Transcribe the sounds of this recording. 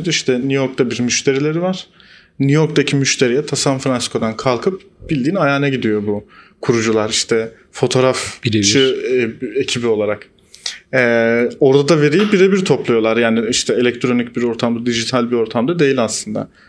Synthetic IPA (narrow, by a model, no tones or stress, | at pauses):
d̪iʃt̪ʰɛnijo̞ɾk̚t̪abiɾmyʃt̪ʰe̞ɾilʲe̞ɾivaɾ̥ | nyjo̞ɾkt̪acʰimyʃt̪ʰe̞ɾijɛt̪ʰasamfɾansi̥kʰo̞d̪ankʰalˠkʰɯp̚ | b̥ilʲd̪iːnajaːnɛɟid̪ijo̞bukʰuɾud͡ʒulˠaɾiʃt̪ʰɛ | fo̞t̪ʰo̞ɾafʃɯ | ecʰibio̞lˠaɾak | ɛo̞ɾd̪ʰad̪ave̞ɾijibiɾebiɾt̪ʰo̞plˠujo̞lˠaɾjaːniiʃt̪ʰɛelʲɛc̚t̪ʰɾo̞nic̚biɾo̞ɾt̪ʰamd̪ad̪iʒit̪ʰalʲbiɾo̞ɾt̪ʰamd̪ad̪e̞jilʲaslˠɯnd̪a̰